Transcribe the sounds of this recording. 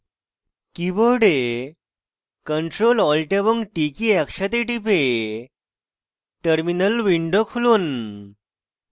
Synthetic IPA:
kiboɾɖe | kəɳʈɾolɔlʈebəŋɡʈikiɛkɕat̪eʈipe | ʈəɾminəlʋiɳɖokʰulon

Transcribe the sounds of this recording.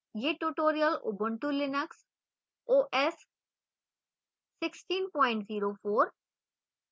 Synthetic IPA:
jeːʈuːʈoːɾijəlo̰bə̃ɳʈulɪnəks | oːʔɛs | ɪksʈĩːnpɔ̃ːɪ̃ɳʈziːɾofoːɾ

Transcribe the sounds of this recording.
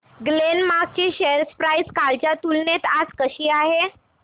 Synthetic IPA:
ɡlenmak̚t͡ɕiːɕeəɾspɾaiskalt͡ɕjat̪ulnet̪ad͡zkəɕiːaɦe

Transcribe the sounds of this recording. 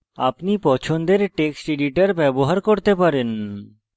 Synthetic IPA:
a̰pnipɔt͡ɕʰond̪eɾʈeksʈiɖiʈaɾbɛboɦaɾkoɾt̪epaɾen

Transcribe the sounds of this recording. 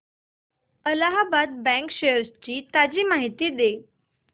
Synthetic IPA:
əlaɦabad̪̚bɛ̃ŋkɕejəɾst͡ɕiːt̪ad͡ʑiːmaɦit̪iːd̪e

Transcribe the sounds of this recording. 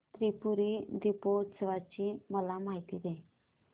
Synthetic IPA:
t̪ɾipuɾiɾipoːʈsʋat͡ʃiməlamaːɦit̪id̪e

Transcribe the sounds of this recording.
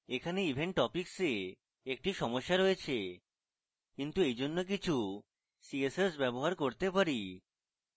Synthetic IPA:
ekʰaneibʱeɳʈʈɔpikse | ek̚ʈiʃɔmoʃːaɾoet͡ɕʰe | kint̪uejd͡ʑonːok̬it͡ɕʰu | siesesbɛboɦaɾkoɾt̪epaɾi

